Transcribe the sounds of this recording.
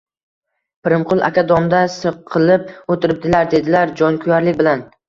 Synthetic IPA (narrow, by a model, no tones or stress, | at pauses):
pʰɪɾɪmqʰʊlˠa̰kʲad̪ɒmd̪asɨqʰːɨlˠɪp̚ot̪ʰɪɾɪp̚d̪ɪlaɾd̪e̞d̪ɪlaɾd͡ʒɒnkʲʰʊjaɾlɪkʲbɪlan